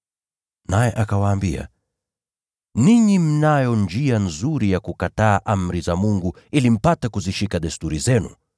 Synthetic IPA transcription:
najɛʔakawaːmbia̰ | niɲim̩najɔnd͡ʒianzuɾijakukataːʔam̩ɾizamuŋɡu | ilim̩patɛkuziʃikaɗɛstuɾizɛnṵ

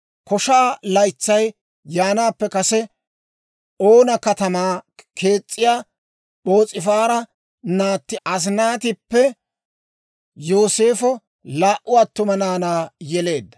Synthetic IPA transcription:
kɔʃaːlɐjt͡sːɐj | jaːnaːpːɛkɐsɛ | oːnɐkɐt̪ɐmaːkʰe̞ːt͡sʼːɪjaː | ɓo̞ːt͡sʼːɪfaːɾɐ | naːt̪ːɪʔɐs̬naːt̪ɪpːɛ | joːse̞ːfɔ | laːʔʊɐt̪ːʊmɐnaːnaːjɛle̞ːd̪ːɐ̥

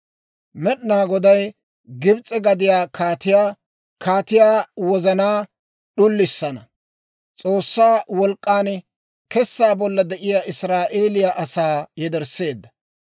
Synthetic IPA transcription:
mɛɗnaːɡɔd̪ɐj | ɡɪbt͡sʼːɛɡɐd̪ɪjaːkʰaːt̪ɪjaː | kaːt̪ɪjaːwɔzɐnaː | ɗʊlːɪsːɐnɐ | t͡sʼo̞ːsːaːwɔlkʼːaːn | kɛsːaːbɔlːɐd̪ɛʔɪjaːʔɪsɾaːʔeːlɪjaʔɐsaːjɛd̪ɛɾse̞ːd̪ːɐ

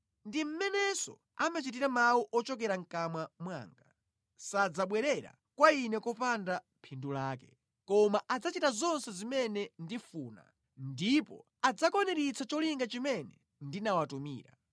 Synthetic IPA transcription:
ndim̩mɛnɛsɔ̰ | amat͡ʃit̬iɾamawuʔɔt͡ʃɔk̬ɛɾaŋ̩kamwamwa̰ːŋɡa | sad͡zaɓwɛɾɛɾa̰ | kwainɛkɔpandampʰindulaːkɛ̥ | kɔmaʔad͡zat͡ʃitazɔnsɛzimɛnɛndifuːna̰ | ndipɔ̰ | ad͡zakɔnɛɾit͡sʰat͡ʃɔliŋɡat͡ʃimɛnɛ | ndinawatumḭːɾa

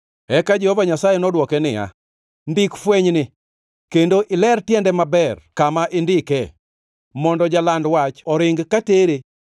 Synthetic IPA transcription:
ɛkad͡ʒehovaɲasajɛnɔdwɔkɛnɪ̰ja̰ | ndɪkfweɲnɪ | kendoʔɪlɛrtjɛndɛmabɛrkamaʔɪndɪkɛ | mɔndɔd͡ʒalandwat͡ʃɔɾɪŋɡkateɾe

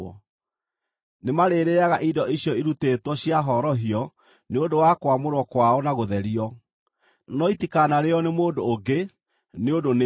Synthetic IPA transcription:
ɔ | nemaɾeːɾeaɣaʔidɔʔiɕjɔiɾuteːtwɔɕiaɦɔɾɔɦiɔ | neodowakwamoɾwɔkwaɔnaɣoðɛɾiɔ | nɔitikanaɾeɔnemoːdoːɡe | neodon

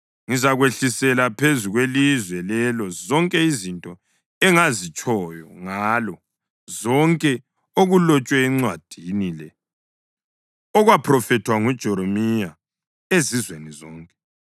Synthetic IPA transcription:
ŋizaɣweɬisɛlapʰezuɣwelizwɛlɛlɔzɔŋkʼɛizintʼɔ | ɛŋazit͡ʃʼɔjɔŋaːlɔ | zɔŋkʼɛ | oɣulɔt͡ʃʼwɛːŋ͡ǀwad̥ʱinilɛ | ɔɣwapʰrɔfɛtʰwaŋud̥ʒ̥ʱɔɾomija | ezizwenizɔːŋkʼɛ̥

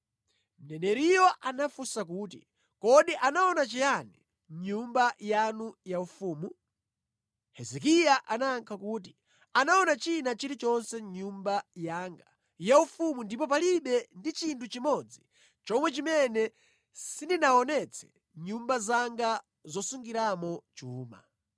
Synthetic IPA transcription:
m̩nɛnɛɾijɔʔanafusak̬uːt̬ḭ | kɔɗiʔanaɔnat͡ʃijani | ɲumbajanujaufuːmu | hɛzɛkijaʔanaːŋkʰakuːt̬i | anaɔnat͡ʃinat͡ʃiɾit͡ʃɔnsɛɲumbajaːŋɡa | jaufumundipɔp̬aliɓɛndit͡ʃintʰut͡ʃimɔd͡zi | t͡ʃɔmwɛt͡ʃimɛnɛ | sindinaɔnɛt͡sʰɛ̥ | ɲumbazaŋɡa | zɔsuŋɡiɾamɔt͡ʃuːma̰

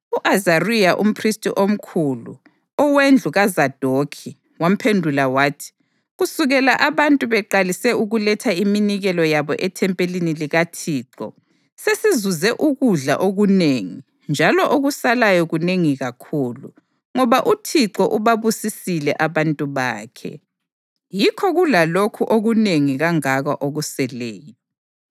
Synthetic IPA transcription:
uʔazarijaʔṵm̩pʰristʼiʔom̩kʰulṵ | ɔwend͡ɮʱuɣazad̥ʱokʰi | wam̩pʰendʱulawaːtʰi̥ | ɣusuɣɛlaʔaβantʼuβɛǃalisɛuɣulɛtʰaiminiɣɛlɔjaβɔʔɛtʰɛmpʼeliniliɣatʰiːǁɔ̰ | sesizuzɛʔuɣuɮa̰ʔoɣuneːŋi | nd͡ʒʱalɔʔoɣusalajɔɣuneŋiɣakʰuːlu | ŋɔβaʔutʰiǀɔʔuβaβusisilɛ̰ʔaβantʼuβa̰ːkʰɛ̰ | jikʰɔɣulalokʰuʔoɣuneŋiɣaŋaɣaʔoɣusɛleːjɔ

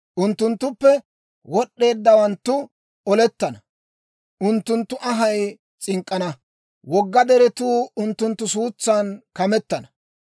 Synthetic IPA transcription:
ʔʊnt̪ːʊnt̪ːʊpːɛ | wɔɗːe̞ːd̪ːɐwɐnt̪ːʊ | ɔlɛt̪ːɐnɐ | ʔʊnt̪ːʊnt̪ːʊʔɐɦɐj | t͡sʼɪŋkʼːɐnɐ | wɔɡːɐd̪ɛɾɛt̪uːʊnt̪ːʊnt̪ːʊsuːt͡sːaːnkɐmɛt̪ːɐnɐ

